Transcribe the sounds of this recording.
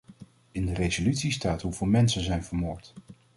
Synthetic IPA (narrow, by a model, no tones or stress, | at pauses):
ɪndərejzolytsistaːtɦuvɪːlˠmɛnsənzɛjnvəɹmʊːɹt